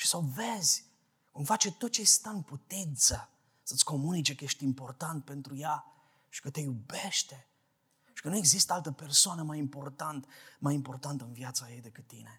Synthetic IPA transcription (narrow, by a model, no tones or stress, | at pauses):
ʃi̥səve̞zʲ | kumfat͡ʃe̞t̪o̞t̪̚t͡ʃejst̪aɨnput̪int̪sə | sət̪sʲko̞munit͡ʃe̞kəje̞ʃt̪impo̞rt̪ant̪̚pe̞nt̪ɾuja | ʃi̥kət̪e̞jube̞ʃt̪e̞ | ʃi̥kənue̞ɡzist̪əalt̪əpe̞rsoanəmajimpo̞rt̪ant̪majimpo̞rt̪ant̪əɨnvjat̪sajejd̪e̞kɨt̪ːḭne̞